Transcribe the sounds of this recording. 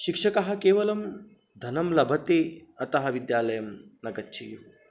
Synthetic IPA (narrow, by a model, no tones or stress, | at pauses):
ʃikʂɐkɐɦɐ̆keːʋɐlɐm | d̪ʱɐnɐmlɐbʱɐt̪eɐt̪ɐɦɐʋid̪jaːlɐjɐmnɐɡɐtːt͡ʃʰeju